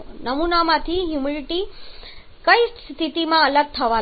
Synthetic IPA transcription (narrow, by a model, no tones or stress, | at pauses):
nəmunamat̪ʰiːɦjumiɭiʈi | kəist̪t̪ʰit̪imaələɡ̚t̪ʰəʋa